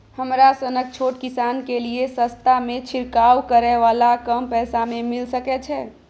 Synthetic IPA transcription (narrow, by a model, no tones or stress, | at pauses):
həmɾasənək̚t͡ʃʰoʈkisankeliesə̃st̪ʰamet͡ʃʰiɾkawkəɾɛʋalakəmpɛːsamemilsəkɛt͡ʃʰɛ